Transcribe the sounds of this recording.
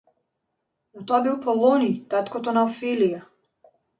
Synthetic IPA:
ut̪ɔabilˠpɔlˠɔnit̪at̪kɔt̪ɔnaɔfilija

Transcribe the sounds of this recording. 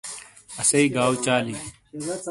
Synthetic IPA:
ɐsɐiːɡaːwt͡ʃaːliː

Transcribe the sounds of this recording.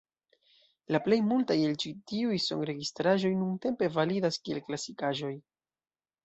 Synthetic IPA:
laple̞jmultajelt͡ʃitiujso̞̰ŋɾe̞ɡistɾaʒo̞jnunte̞mpe̞validaskie̞̰lklasikaʒo̞j

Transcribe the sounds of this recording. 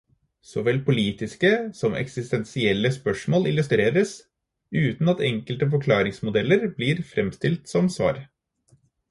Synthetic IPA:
sɔʋɛlpʰʊliːt̪ɪskəsɔmʔɛ̰ksɪst̪ɛnsɪɛlːəspœʂmoːlɪlʉst̪ɾeːɾəs | ʉːt̪n̩ɑt̪ɛŋkəlt̪əfɔkʰlɑːɾɪŋsmʊd̪ɛlːəɾbliːɾfɾʔɛmst̪ɪlt̪sɔmsʋɑ̰ːɾ

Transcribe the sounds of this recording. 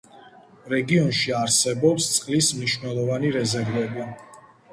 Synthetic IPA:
ɾɛɡiɔnʃiaɾsɛbɔpst̪sʼqʼlismniʃvnɛlˠɔvaniɾɛzɛɾvɛbi

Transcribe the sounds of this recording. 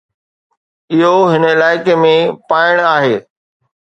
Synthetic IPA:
ɪɦoɦɪnəɪlaːɪkemẽpaːɪɽ̃aːɦeː

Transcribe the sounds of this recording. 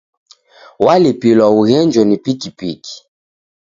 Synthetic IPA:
walepilwauɣɛnd͡ʒɔnipikipiki̥

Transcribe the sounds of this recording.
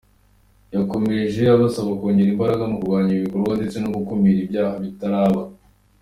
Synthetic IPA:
jako̞me̞ʒe̞aɾβasaβakoːɲɟe̞ɾimbaɾaɡamukuɾɡwaːɲiɾiβikoɾɡwande̞t͡se̞noɡukumiɾibjaːhaβitaɾaːβa

